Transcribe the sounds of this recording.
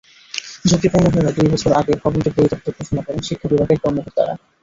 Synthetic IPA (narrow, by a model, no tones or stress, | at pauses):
d͡ʑot̪iponːoɦoeɾad̪ujbɔt͡ɕʰoɾaɡebɔbontokdejt̪ap̚t̪oɾkɾoʃonakɔɾenʃikʰːabibʱaɡeɾkɔɾmokoɾd̪a̰ɾa̰